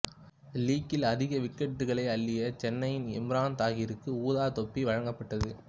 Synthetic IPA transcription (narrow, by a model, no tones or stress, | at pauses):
liːkːɪlɐðɪɣɐʋɪkːɛʈːɯɣɐɭɐɪɐlːɪjɐt͡ʃɛnːɐjɪnɛ̰mɾaːnt̪aːɣɪɾɯkːɯuːðaːt̪ɔpːiʋɐɻɐŋɡɐpːɐʈːɐðɯ